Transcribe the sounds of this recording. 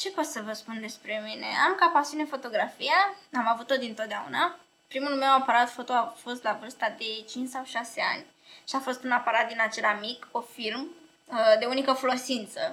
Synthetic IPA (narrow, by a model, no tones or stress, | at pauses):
t͡ʃe̞po̞t̪səvəspund̪e̞spɾe̞mine̞̰amkapasiunefo̞t̪o̞ɡɾafijaamavut̪o̞d̪int̪ot̪d̪eaṵna | pɾimulme̞wapaɾat̪fo̞t̪o̞afo̞st̪lavɨrst̪ad̪e̞t͡ʃint͡ʃsawʃase̞a̰nʲ | ʃiafo̞st̪unapaɾat̪̚d̪inat͡ʃe̞lamiko̞film | əd̪e̞unikəfolosint̪sə